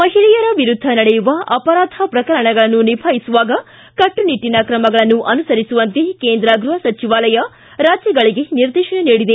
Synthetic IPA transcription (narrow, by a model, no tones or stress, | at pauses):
mɐɦiɭɛjɐɾɐʋiɾud̪ʱːɐnɐɽejuʋɐɐpɐɾaːd̪ʱɐpɾɐkɐɾɐɳɐɡɐɭɐnːunibʱʰajisuʋaːɡɐ | kɐʈːuniʈːinɐkɾɐmɐɡɐɭɐnːuʔɐnusɐɾisuʋɐnt̪ekeːnd̪ɾɐɡɾuɦɐsɐt͡ʃiʋaːlɐjɐ | ɾaːd͡ʒjɐɡɐɭiɡe̞niɾd̪eːʃɐɳeniːɽid̪e